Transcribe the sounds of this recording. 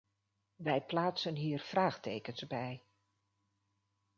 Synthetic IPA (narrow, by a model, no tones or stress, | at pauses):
ʋɛjplaːtsənɦiːɹv̥raːχtejkənzbɛj